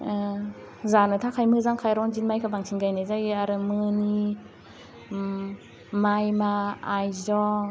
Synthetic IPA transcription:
zanɯt̪ʰakʰajmɯzaŋkʰajɾɔŋzinmajkʰabaŋsʰinɡajnezajaɾɯmɯni | majmaajzɔ

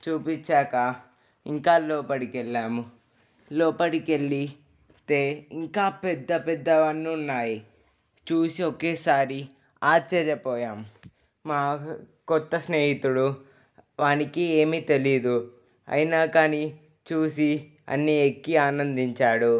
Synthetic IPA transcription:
t͡ʃuːpit͡ʃːaːkɐ | iŋkaːlɔːpɐɽikɛɭːaːmu | lɔːpɐɽikeɭːi | t̪e̞ːiŋkaːpɛd̪ːɐpɛd̪ːɐʋɐnːuunːaːji | t͡ʃuːsiokeːsaːɾi | aːɾt͡ʃɛɾjɐpɔːjaːm | maː | kɔt̪ːɐsneːɦit̪uɽu | ʋaːnikieːmiːt̪e̞lid̪u | ɐ̰jinaːkaːni | t͡ʃuːsi | ɐ̰nːiekːiaːnɐnd̪iɲt͡ʃaːɽu

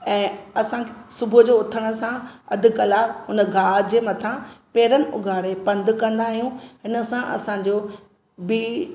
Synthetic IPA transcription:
ɛ̃ːɐsãkʰsʊbʱʊd͡ʑoːʊt̪ʰəɽ̃ə̆sãɐ̰d̪ʱɪ̆kɐlaːɦʊnə̆ɡʱaːd͡ʑeːmɐt̪ʰãpeːɾənɪ̆ʔʊ̰ɡʱaːɽepɐ̃nd̪kɐ̃nd̪aːɦijũɦɪnə̆sãʔɐ̰sãɲd͡ʑoː | bi

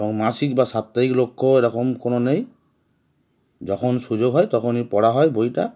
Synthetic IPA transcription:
ɔŋmasik̚basap̚taiklokʰːɔeɾɔkɔmkonɔnej | zɔkʰɔnsuzoɡɦɔjtɔkʰɔnipɔɹaɦɔjboita̰

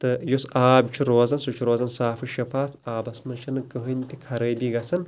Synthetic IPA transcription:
t̪ɨjosaːbt͡ʃʰiɾoːzɐnsut͡ʃʰiɾoːzɐnsaːfɨʃɐfaːfaːbɐsmɐt͡ʃʰɐnɨɡɨɦɨnt̪ikʰɐɾɐjbiɡɐsɐn

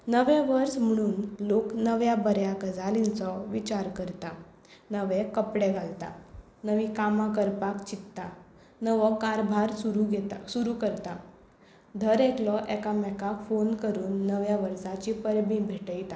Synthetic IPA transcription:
nəʋɛ̃ʋəɾsm̤əɽ̃uːnloknəʋjabəɾjakəd͡zalint͡sɔʋit͡ɕaɾkəɾt̪a | nəʋɛ̃kəpɽɛɡʱalt̪a̰ | nəʋikamak̬əɾpakt͡ɕit̪t̪ːa | nəʋɔkaɾbʱaɾsuɾuɡɛt̪suɾukəɾt̪a | d̪ʱəɾeklɔʔɛkamɛkafonkəɾuːnːəʋjaʋəɾsat͡ɕipəɾbĩbʱeʈəjt̪a

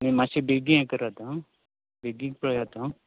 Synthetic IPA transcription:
nimãsebeɡĩãkəɾat̪ã | beɡĩkpəɭjaːt̪ã

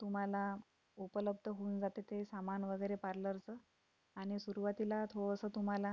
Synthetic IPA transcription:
t̪um̤ala | upələb̚d̪ʱəɦound͡zat̪et̪esamanʋəɡəjɾepaɾləɾt͡sə | aɽ̃isuɾuʋat̪ilat̪ʰoɭəsəːt̪um̤ala

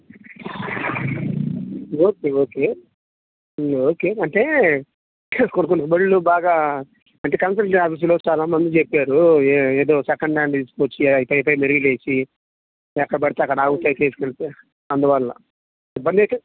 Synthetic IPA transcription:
oːkeːoːke | oːkeːɐɳʈe̞ː | konkonibeɭːlubaːɡaː | ɐɳʈeːkɐns̬ɐʈiaːpiːs̬loːt͡ʃaːlɐmːɐnd̪ut͡ʃepːaːɾueeːd̪o̞ːsɐkɐɳɖaːɳɖt̪iːsu̥koːt͡ʃːiipɐjpɐjmeɾuɡile̞ːsi | ɛkːɐɽɐpɐɽit̪eːɐkːɐɽaːɡut̪aːjit̪eːsi̥kɐnt̪e | ɐnd̪uʋallɐ̰ | ibːɐnd̪ek̪e

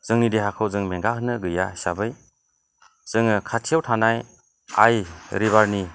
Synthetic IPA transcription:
z̥ɯŋnideɦakʰɯwzɯŋmeŋɡaɦɯnɯɡɯjasabɯj | z̥ɯŋɯkʰatʰijawtʰanaj | a̰jɾiβaɾni

